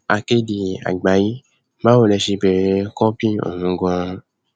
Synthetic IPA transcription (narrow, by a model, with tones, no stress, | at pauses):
a̰˨ke˦di˨a̰˨ɡ͡ba˨˦ji˦ | mã˦wo˨le˨ʃi˧be˨ɾe˦kɔ˦pi˦o̰˨ŋũ˦ɡɔ̃˦